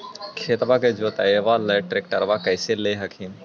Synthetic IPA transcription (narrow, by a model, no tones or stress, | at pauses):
kʰeːt̪baked͡ʒoːt̪ɐjeʋaleːʈɾɪkʈɐɾʋakɐjseleːɦɐkʰin